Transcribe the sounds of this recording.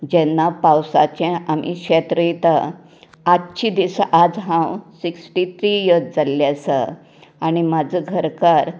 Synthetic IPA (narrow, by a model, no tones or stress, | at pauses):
d͡ʑɛnːapawsa̰t͡ɕẽamḭkɕet̪ɾit̪ə | atːɕʰid̪isaʔad͡zɦãwsiksʈit̪ʰɾijəd͡zaljasə̰ | aɽ̃imad͡zəɡʱəɾkaɾ